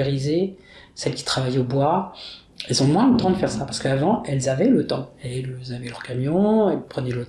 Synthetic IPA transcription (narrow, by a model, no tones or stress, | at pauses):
eʁize | sɛlkʲi̥t̪χavajobwa | ɛlsɔ̃mwɛ̃d̪ət̪ɑ̃d̪əfɛʁsapaʁsə̥kəavɑ̃ɛlzavɛlət̪ɑ̃elzavɛlœʁkamjɔ̃ɛpχənɛlət̪